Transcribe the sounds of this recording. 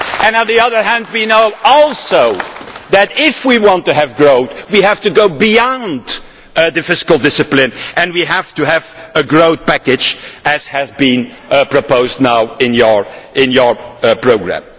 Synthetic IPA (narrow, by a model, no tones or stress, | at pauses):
ɨ̃nə̃nðiʌðə˞ɦæ̃nd̚winoʊɔlˠsoʊðɨɾɪfwiwɑ̃ntɨɨvɡɹoʊθwiɦæftɨɡoʊbiɑ̃nd | ðɨfɪskl̩ˠdɪsɨplɪ̃nʔɨ̃nwiɦæftɨɦævəɡɹoʊθ̚pækɨd͡ʒɨz̥hɨzbĩn | pɹ̥əpoʊzdⁿnaʊɪ̃njə˞ɪ̃njə˞pɹ̥oʊɡɹæ̰̃m